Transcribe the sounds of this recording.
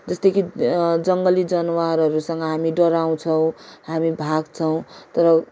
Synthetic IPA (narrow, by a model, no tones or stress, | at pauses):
d͡zʌst̪ʌkʰid͡zʌŋɡʌlid͡zʌnwaɾʌɾusʌŋɡʌɦamiɖʌɾaw̃t͡sʰʌw̃ɦamibʱaɡt͡sʰʌw̃t̪ʌɾʌ